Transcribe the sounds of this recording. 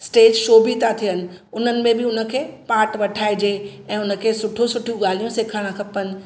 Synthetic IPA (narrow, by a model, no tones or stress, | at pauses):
sʈeːd͡ʑʃoːbit̪ʰat̪ʰijənɪ̆ʊn̤ənɪ̆mẽbɪʊnə̆kʰeːpaːɾʈʋɐʈʰaːid͡ʑeːɛ̃ːʊnə̆kʰeːsʊʈʰõsʊʈʰijũɠaːl̤ijũseːkʰaɽ̃ãkʰɐpənɪ̆